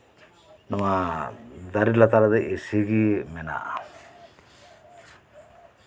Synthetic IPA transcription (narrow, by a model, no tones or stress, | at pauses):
nama | d̪aɾilat̪aɾad̪aʔesiɡimena̰